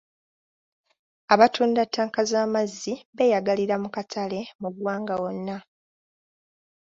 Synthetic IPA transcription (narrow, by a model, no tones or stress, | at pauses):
aβatʰuːndatːaːŋkazaːmazːiβe̞jaɡaliɾamukatʰale̞muɡwaːŋɡawo̞nːa